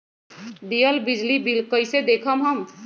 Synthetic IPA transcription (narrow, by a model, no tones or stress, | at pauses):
d̪ijəlbid͡ʒlibilkəɪsed̪ekʰəmɦəm